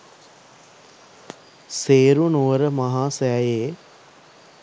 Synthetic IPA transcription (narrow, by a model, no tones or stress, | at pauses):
seːɾunoʋəɾəmaɦaːsɛːjeː